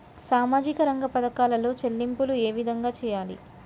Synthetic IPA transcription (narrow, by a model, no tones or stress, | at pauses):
saːmaːd͡ʒikɐɾɐŋɡɐpɐd̪ɐkaːlɐlo̞ːt͡ʃelːimpulue̞ːʋid̪ʱɐŋɡaːt͡ʃɛːjaːlḭ